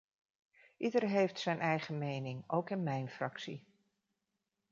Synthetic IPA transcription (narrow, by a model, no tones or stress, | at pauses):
ʔidərɦejftsɛjnʔɛjχəmejnɪŋowkɪnmɛjnfrɑksi